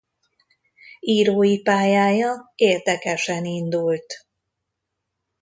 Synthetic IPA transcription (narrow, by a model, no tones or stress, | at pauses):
iːɾoːjipaːjaːjɒeːrd̪ɛkɛʃɛnind̪ult̪